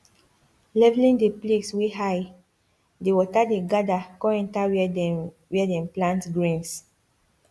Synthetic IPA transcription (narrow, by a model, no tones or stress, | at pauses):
lɛvlĩŋdepleksweɦaj | dewɔtadeɡadakɔ̃ɛ̃ntaw | wɛdɛ̃mplãntɡɹĩns